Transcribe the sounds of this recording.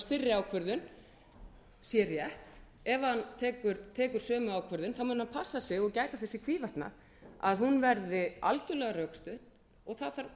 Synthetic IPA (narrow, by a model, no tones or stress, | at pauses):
fɪrːɪaːwkʰvœɾðʏn | sjɛrjɛht̪ | ɛvahant̪ʰɛːkʏɾt̪ʰɛːkʏɾ̥sœːmʏaːwkʰvœɾðʏnθawmʏnhanpʰasːasɛɣɔɣcaːjt̪aθɛsːɪkʰviːvaht̪na̰ | a̰ðhunvɛɾðɪa̰lcʏlɛːɣarœkst̪ʏht̪n | ɔɣθaðθaɾ